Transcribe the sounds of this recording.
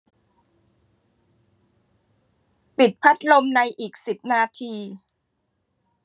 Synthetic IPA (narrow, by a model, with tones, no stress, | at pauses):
pi˨˩t̪̚pʰa˦˥t̪̚lo˧mna˧jʔiː˨˩k̚si˨˩p̚naː˧t̪ʰiː˧